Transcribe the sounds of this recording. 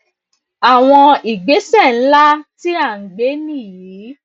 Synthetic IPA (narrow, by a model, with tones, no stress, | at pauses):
a˨w̃ɔ̃˧i˨ɡ͡be˨˦sɛ˦˨n̩˦la˦ti˦a˦˨ŋ̩˨ɡ͡be˨˦nĩ˦˨je˨˦